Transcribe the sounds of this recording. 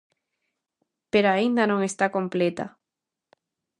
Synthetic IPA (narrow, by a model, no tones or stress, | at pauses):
peɾoaind̪anõŋest̪akomplet̪a̰